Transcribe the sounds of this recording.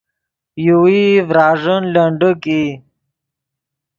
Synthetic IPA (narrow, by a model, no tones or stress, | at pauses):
juwivɾaːʐənləɳɖəki